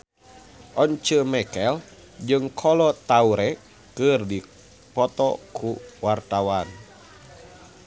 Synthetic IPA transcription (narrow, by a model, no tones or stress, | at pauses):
ʔɔɲt͡ʃəmɛkɛl | d͡ʒɨŋkʰɔlɔt̪auɾɛ | kɨrdi | pɔt̪ɔ̰kʰuwart̪awan